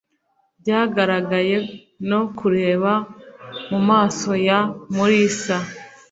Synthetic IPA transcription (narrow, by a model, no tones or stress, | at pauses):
bɟaːɡaɾaɡaje̞ | no̞kuɾe̞ːβamumaːso̞jamuɾisa